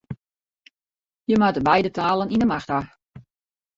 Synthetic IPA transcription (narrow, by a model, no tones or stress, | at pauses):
jəmatəbɛjdətaːləninəmaxta